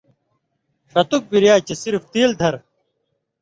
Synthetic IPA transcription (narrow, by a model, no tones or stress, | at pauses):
ʂɐt̪uk̚biɾjaːt͡ɕɐsiɾft̪iːld̪ʱɐɾ